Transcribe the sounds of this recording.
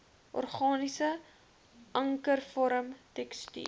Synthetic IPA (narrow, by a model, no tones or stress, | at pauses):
ʔɔ̰rχɑːnisə | ʔɐŋkərfɔɾəmtɛkstḭ